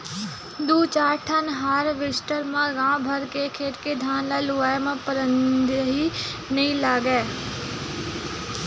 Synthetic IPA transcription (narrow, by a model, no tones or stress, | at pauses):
d̪uːt͡ʃaːɾʈʰənɦaːɾʋɪsʈəɾmãɡãːbʱəɾkekʰeːʈked̪ʱaːnlaluʋaːjmãpəɾə̃nd̪əɦinɐɦĩlaːɡeː